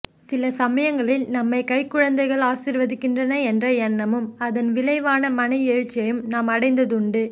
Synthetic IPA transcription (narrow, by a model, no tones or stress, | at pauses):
sɪlɐsɐmɐjɐŋɡɐɭɪlnɐmːɐɪkɐɪkːʊɻɐnd̪ɐɪɣɐɭaːsɪɾʋɐðɯkːɪndrɐnɐɛndrɐɛnːɐmɯmɐðɐnʋɪlɐɪʋaːnɐmɐnɐɪɛːɻɯt͡ʃːɐjɯmnaːmɐɽɐɪnd̪ɐðɯɳɖɯ